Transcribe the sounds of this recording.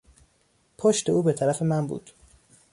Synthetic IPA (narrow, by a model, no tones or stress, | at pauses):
pʰoʃt̪e̞uːbe̞t̪ʰæɾæfe̞mænbṵːd̪̥